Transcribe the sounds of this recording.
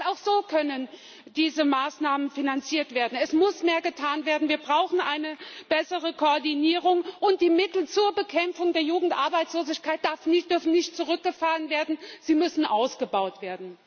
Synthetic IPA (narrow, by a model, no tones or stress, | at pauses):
aʊxz̥oːkʰœnən | d̥iːzəmaːsnaːmənfinant͡siːɐtv̥eːɐdn̩ɛsmʊsmeːɐɡətʰaːnveːɐdn̩viːɐbʁaʊxn̩ʔaɪnəb̥ɛsəʁəkʰoːɐdiniːʁʊŋʔʊnt̚d̥iːmɪtl̩t͡suːɐbəkʰɛmfʊŋdeːɐjuːɡŋ̩tʔaɐbaɪt͡sloːzɪçkʰaɪt̚d̥aɐfnɪtd̥ʏɐfn̩nɪçtt͡suʁʏk̚ɡ̥əfaːʁənveːɐdn̩z̥iːmʏsn̩ʔaʊsɡ̥əbaʊtv̥eːɐdn̩